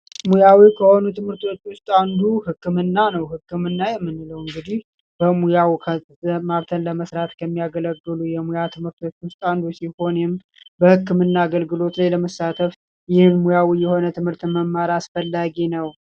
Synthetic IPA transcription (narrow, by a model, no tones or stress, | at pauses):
mujawikʰəho̞nut̪ʰɨmhɨɾt̪wot͡ʃːwʊst̪ʼand̪uhɨkːɨmɨnːanəwhɨkːɨmɨnːajɛmːɨnːɨləwɨŋɡɨd̪ih | b̥əmujawkʰə | əmaɾt̪ʰənləməsɾat̪kʰəmːijaɡələɡːɨlujɛmujat̪ʰɨmhɨɾt̪ʰwot͡ʃːwʊst̪ʼand̪usiho̞nɪm | bəhɨkːɨmɨnːaːɡəlɡɨlo̞t̪lajləməsat̪ʰəf | jɪhmːujawijɛho̞nət̪ʰɨmhɨɾt̪ɨməmːaɾasfəlːaɡinəw